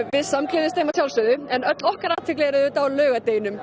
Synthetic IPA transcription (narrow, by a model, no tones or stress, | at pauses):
vɪðsamklɪðɪst̪eːjmasjawlsʏðʏɛnœt̪lɔhkaɾaːt̪ʰfɪklɛɛɾʏðɪt̪awlœːɣat̪ejnʏm